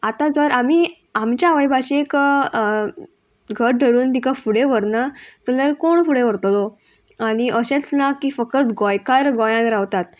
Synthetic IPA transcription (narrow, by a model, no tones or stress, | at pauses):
at̪ad͡zəɾami | amt͡ɕjaʋəjbʱaɕek | ɡʱəɾ̚ɖʱəɾuːnt̪ikafuɽeʋəɾnat̪ələɾkoɳfuɽeʋəɾt̪lo | aɽ̃iʔəɕẽt͡snakiːfəkət̪ɡɔjkaɾɡɔjãnɾaʋt̪at̪